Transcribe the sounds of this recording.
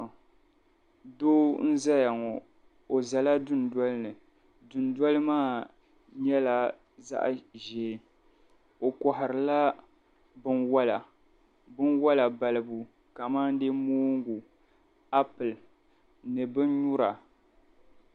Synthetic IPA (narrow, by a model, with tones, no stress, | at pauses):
doː˦n̩˦za˦ja˨ŋɔ˨ | o˨za˨la˦dʊ˦n˨da˦lɨ˦nɨ˨ | dʊ˨n˦dɔ˦lɨ˦maː˦˨ | ɲɛ˦la˨ | za̰˦ʔʒɛː˦ | o˨kɔ˨ɦɪ˨ɾɨ˨la˦ | bɨ˦nwa˦la˨ | bɨ˦nwa˦la˨ba˨lɨ˦bu˨ | ka˨ma˦n˦de˦moː˦ŋɡu˨ | a˦pɨ˨l | nɨ˨bɨ˦n˦ɲu˦ɾa˨